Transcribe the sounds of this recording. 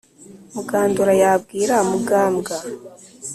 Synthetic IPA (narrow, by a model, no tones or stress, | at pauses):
muɡaːnduɾajaːb̚ɡiːɾamuɡaːmɡa